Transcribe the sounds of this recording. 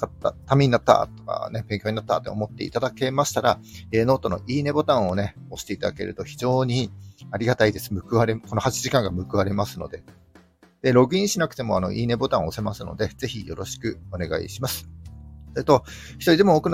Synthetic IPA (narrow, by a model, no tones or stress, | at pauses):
at̪ːa̰t̪amʲeɲ̟inat̪ːa̰t̪o̥ka̰neb̥ẽŋkʲoːɲ̟inat̪ːa̰t̪ːe̞omo̞t̪ːe̞̰ḭt̪ad̪ake̞maɕi̥t̪aɾaeːno̞ːt̪o̞no̞̰ʔiːne̞bo̞t̪ãɰ̃o̞ne̞o̞ɕi̥t̪e̞it̪ad̪ake̞̰ɾɯ̟t̪o̞çid͡ʑo̞ːɲ̟iaɾʲiɡat̪aid̪e̞sɨ̥mɯ̟kɯ̟βaɾe̞ko̞nohat͡ɕiʑikãŋɡamɯ̟kɯβaɾe̞masɨno̞̰d̪e̞ | d̪̥e̞ɾo̞kɯ̟ĩɕinakɯ̥t̪e̞mo̞ano̞̰ʔiːne̞bo̞t̪ãɰ̃ose̞masɨno̞̰d̪e̞z̥e̞çijo̞ɾo̞ɕi̥kɯ̟o̞ne̞ɡa̰ḭɕimasɨ̥soɾet̪o̞ | çi̥t̪o̞ɾʲid̪e̞moːkɯ̟n